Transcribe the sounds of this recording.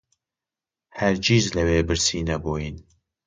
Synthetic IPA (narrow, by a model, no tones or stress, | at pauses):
hæɾd͡ʒiːzlɐweːbɨɾsiːnɐboːjin